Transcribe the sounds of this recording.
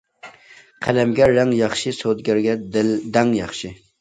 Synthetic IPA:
qʰælɛmɡʲɛːɛŋjɑχʃisod̪ɡʲæɾɡʲɛd̪ld̪ɛŋjɑχʃi

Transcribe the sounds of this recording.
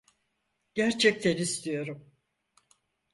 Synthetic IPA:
ɟ̥æɾt͡ʃʰɛc̚t̪ʰenist̪ʰijo̞ɾum

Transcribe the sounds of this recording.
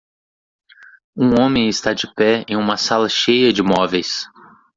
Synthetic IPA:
ũõmẽj̃ɪst̪ad͡ʒɪpɛẽj̃ũmɐsalɐʃejɐd͡ʒɪmɔvejs

